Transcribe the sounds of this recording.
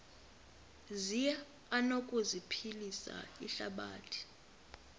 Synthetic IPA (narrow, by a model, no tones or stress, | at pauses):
ziɛ | anokʼuzipʰilisa̰iɬaɓa̰ːtʰi̥